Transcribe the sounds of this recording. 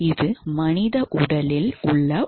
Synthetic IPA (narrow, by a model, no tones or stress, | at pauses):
ɪðɯmɐnɪðɐʔʊɽɐlɪlʊɭːɐ